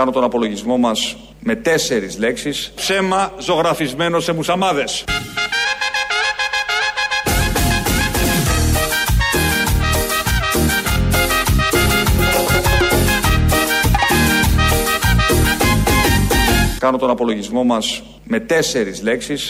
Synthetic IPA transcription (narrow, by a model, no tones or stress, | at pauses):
kɐno̞t̪o̞nɐpo̞lo̞ʝizmo̞mɐs | me̞t̪e̞se̞ɾizle̞ksispse̞mɐzo̞ɣɾɐfizme̞no̞se̞musɐmɐðe̞s | kɐno̞t̪o̞nɐpo̞lo̞ʝizmo̞mɐs | me̞t̪e̞se̞ɾizle̞ksis